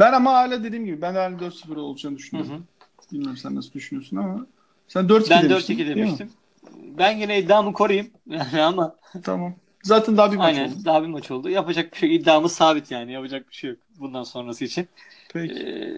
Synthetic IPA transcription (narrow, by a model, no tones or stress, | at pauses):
bænamaaːilʲad̪e̞d̪iːmɟibibænd̪ɛænlʲɛd̪øɾt̪sɯfɯɾolˠud͡ʒanɯd̪yʃynoɯ | bilʲmæɾmsænːasɯd̪yʃynyjo̞sunama | sænd̪øɾt̪bæned̪øɾt̪ʰicʲid̪emiʃt̪ʰim | bænɟenɛid̪ːaːmɯkʰo̞ɾajɯm | jaːniama | t̪ʰa̰mam | zaːt̪ʰænd̪aɦabiajnænd̪aɦabimat͡ʃʰo̞lˠd̪ujapad͡ʒak̚biʃejid̪ːaːmɯ̥saːbit̪ʰjaːnijapad͡ʒak̚biʃejok̚bund̪anso̞nɾasɯit͡ʃʰin | pʰɛ